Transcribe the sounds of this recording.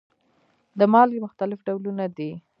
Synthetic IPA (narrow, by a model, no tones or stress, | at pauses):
d̪əmɑljmʊxt̪alɪfɖawlunad̪i